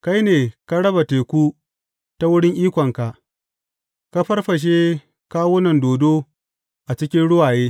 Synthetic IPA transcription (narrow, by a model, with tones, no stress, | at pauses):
ka˦jneː˨ka˦ɽɐ˦ba˨teː˨kʷu˦ | ta˦wʊ˦ɽɪ˦ŋʔiː˦kʷɔ˨ŋka˨ʔ | ka˦ɸɐ˦rɸɐ˨ʃ̬eː˦ | kaː˦wʊ˦nɐ˨ndoː˨doː˦ | ʔa˨t͡ʃɪ˦kʲɪ˦nɽʊ˦waː˨jeː˦